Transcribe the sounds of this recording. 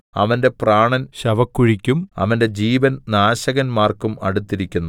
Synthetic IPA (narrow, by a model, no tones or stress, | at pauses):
ɐ̰ʋɐnde̞praːɳɐnɕɐʋɐkːuɻikʲːumɐ̰ʋɐnde̞d͡ʑiːʋɐnnaːɕɐɣɐnmaːrkumɐ̰ɽut̪ːiɾikʲːunːu